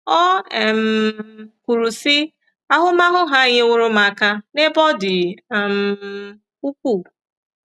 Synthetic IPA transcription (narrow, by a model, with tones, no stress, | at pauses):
ɔ˦ɛ˨m̩˨ku˨ɾu˨si˦ | a˦ɦʊ˦ma˦ɦʊ˦ɦa˦˨ɲe˦ŋʷʊ˦ɾʊ˦ma˨ka˦ne˦bɔ˦dɪ˨m̩˨ | u˦kʷu˦˨